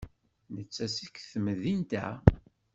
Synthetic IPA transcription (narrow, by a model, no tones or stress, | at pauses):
nət͡sːæsikːθəməðint̪æ̰